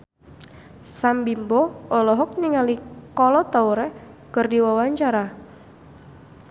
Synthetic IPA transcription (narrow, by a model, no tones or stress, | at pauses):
sambimbɔɔlɔɦɔk̚niŋalikɔlɔt̪auɾɛkɨrdiwawaɲt͡ʃaɾa